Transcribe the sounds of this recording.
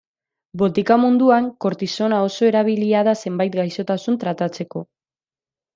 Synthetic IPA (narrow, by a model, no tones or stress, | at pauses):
bo̞t̪ikamund̪uaŋko̞ɾt̪iso̞nao̞so̞e̞ɾaβ̞iliaðase̞mbajt̪ɡajso̞t̪asunt̪ɾat̪at͡se̞ko̞